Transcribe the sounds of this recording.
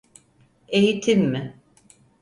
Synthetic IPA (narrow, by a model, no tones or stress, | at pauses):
e̞jit̪ʰimːɪ